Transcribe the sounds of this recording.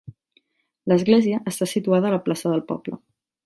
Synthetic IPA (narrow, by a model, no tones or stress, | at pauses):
ləzɣleziəʔəst̪asit̪uaðəːləplasəðəlˠpɔ̰blə̰